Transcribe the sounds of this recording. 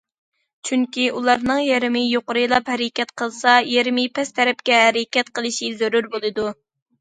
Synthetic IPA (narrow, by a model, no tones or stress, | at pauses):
t͡ʃʰyŋkʲiulˠɑɾnɨŋjeɾɪmɪjoqʊɾɨjlˠɑphɛɾɪkʲɛt̪qʰəlˠsɑjeɾɪmɪpʰɛst̪ʰɛɾɛp̚kʲɛɦæɾɪkʲɛt̪̚qʰəlˠɨʃizøɾuɾbolˠɨd̪u